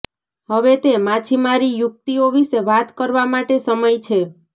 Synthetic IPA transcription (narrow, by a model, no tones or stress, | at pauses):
ɦəʋet̪emat͡ʃʰimaɾijʊk̚t̪ioʋiʃeʋat̪kəɾʋamaʈesəməjt͡ʃʰe